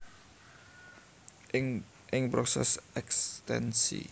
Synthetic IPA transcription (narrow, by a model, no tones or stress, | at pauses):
ɪŋpɾosɛ̰sɛkst̪ɛnsḭ